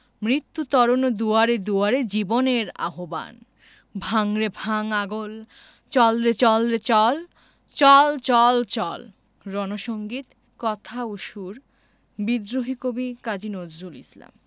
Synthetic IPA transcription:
mɾit̪ːut̪ɔɾonod̪uaɾed̪uaɾed͡ʑiboneɾa̰ɦoba̰n | bʱaŋɾebʱaŋaɡol | t͡ɕɔlɾet͡ɕɔlɾet͡ɕɔl | t͡ɕɔlt͡ɕɔlt͡ɕɔ̰l | ɾɔnoʃoŋɡit̪ | kɔt̪ʰauʃuɾ | bid̪ɾoɦikobikad͡ʑinozulḭsla̰m

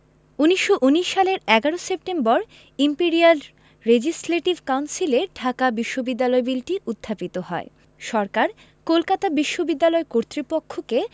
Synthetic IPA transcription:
uniʃːoʔuniʃːaleɾɛɡaɾosep̚ʈembɔɾ | impiɾial | ɾed͡ʑisleʈibkawnsileɖʱakabiʃːobid̪ːalɔebilʈiʔud̪ʱːapit̪ohɔe | ʃɔɾkaɾ | kolkat̪abiʃːobid̪ːalɔekoɾt̪ɾipokʰːoke

